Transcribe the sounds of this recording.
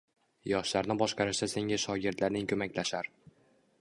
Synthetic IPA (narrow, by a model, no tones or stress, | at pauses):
jɒʃlaɾnɪbɒʃqɑɾɪʃd̪ase̞ŋʲaʃɒɡʲɪɾd̪laɾnɪŋkʰɵmakʲlaʃaɾ